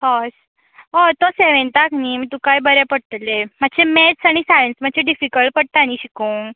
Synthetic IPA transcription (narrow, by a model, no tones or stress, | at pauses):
ɦɔs | ɔt̪ɔseʋẽnt̪akniːmit̪ũkajbəɾjapəɽt̪lemadɕemetsaɽ̃isajənsm̤əd̪ɕʰeɖifikəɭʈ̚pəɽ̚t̪aniɕikuːŋ